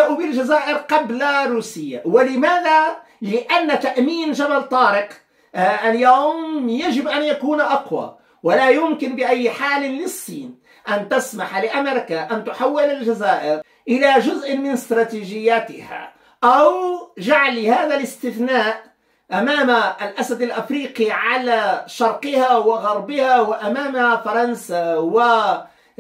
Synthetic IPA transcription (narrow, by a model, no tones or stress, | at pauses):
ʔubɪlʒazaːʔɪɾqɑblaɾuːsɪjːawɪlɪmaːða | lɪʔanːat̪aʔmiːnʒabalt̪ˤɑːɾɪq | ʔaljaːmjaʒɪbʔanjakuːnʔɑqwa̰ | wɪlajʊmkɪnbɪʔajːħaːlɪlɪsˤːiːn | ʔant̪asmaħalɪʔameɾɪkaʔant̪ʊħawːɪlɪlʒazaːʔɪɾ | ʔɪlaʒʊzʔmɪnɪst̪ɾˤɑːt̪iːʒɪjːaːt̪ɪha̰ | ʔawʒaʕlihaːðalɪst̪ɪθnaːʔ | ʔamaːmalʔasad̪alʔafɾiːqiʕalaʃɑɾˤqɪhawɪɣɑɾˤbɪhawɪʔamaːmfɑɾˤɑnsawɪ